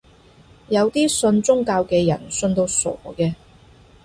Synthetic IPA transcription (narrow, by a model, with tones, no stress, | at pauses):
jɐ˨˧wt̪iː˥sɵ˧nt͡sʊ˥ŋkaː˧wkɛː˧jɐ̰˨˩nsɵ˧nt̪o˧wsɔ̰ː˨˩kɛː˧